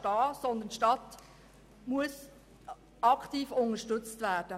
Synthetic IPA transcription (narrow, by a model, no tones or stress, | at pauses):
tɑːsɔnd̪əntʃtɑt | muəs | ɑktiːfʊnəʃtɵt͡stvæːd̥ə